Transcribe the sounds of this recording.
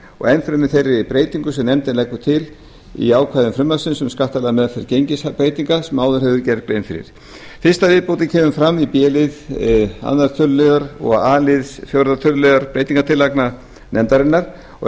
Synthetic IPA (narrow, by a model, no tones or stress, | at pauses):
ɔ̰ɣɛnfɪɾʏmɪθejɾɪipɾeːjt̪iŋkʏsɛmnɛmt̪ɪnlɛkːʏ̥t̪ʰɪl | ḭaːwkʰvajðʏmfɾʏmlasɪnsɛmskaht̪alɛðamɛðfɛɾcejɲcɪsapɾejt̪iŋkasɛmaːwðʏɾ̥hɛvðʏcɛɾkɾejnfɪɾɪ̰ɾ̥ | fɪr̥st̪avɪðpowt̪̬ɪcʰɛːmʏmfɾamːipjɛːlɪða̰nːaɾt̪ʰœllœɣaɾɔ̰ɣaːlɪðsfjowɾðat̪ʰœllːœɣaɾpɾejt̪iŋkat̪ʰɪlːakna | nʔɛmt̪aɾɪnːaɾ̥ | ɔ